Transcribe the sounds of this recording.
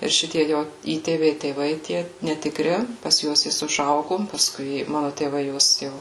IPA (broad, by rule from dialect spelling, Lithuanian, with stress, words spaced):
ɪr ˈʃʲɪtʲiɛ ˈjoː ˈiːtʲeːʋʲɛɪ tʲeːˈʋɐɪ tʲiɛ nʲɛtʲɪkˈrʲɪ pɐs ˈjuɔs ˈjɪs ʊʒˈɐʊɡʊ pɐˈskʊɪ ˈmɑːnʊ tʲeːˈʋɐɪ ˈjuɔs ˈjɛʊ